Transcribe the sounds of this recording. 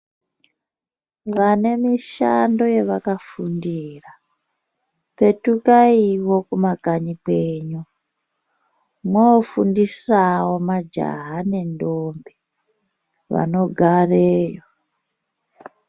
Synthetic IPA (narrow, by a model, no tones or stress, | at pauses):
ʋane̞miʃando̞je̞ʋakafundiːra | pe̞tukaiwokumakaɲipeːɲu | mwofundisawo̞mad͡ʒa̰ɦane̞ndombi | ʋa̰no̞ɡʱareːjo